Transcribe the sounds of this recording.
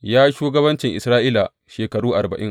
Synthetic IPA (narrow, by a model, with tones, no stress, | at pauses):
jaː˦ʃuː˦ɡɐ˦bɐ˦nt͡ʃɪ˨ŋʔɪ˨sɾaː˦ʔiː˦la˨ | ʃeː˨kɐ˨ɽuː˦ʔa˨rbɐ̰˨ʔɪ˦ŋ